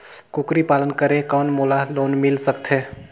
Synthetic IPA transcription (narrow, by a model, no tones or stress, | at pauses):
kukɾipalənkəɾekəːnmolaloːnmɪlsək̚t̪ʰe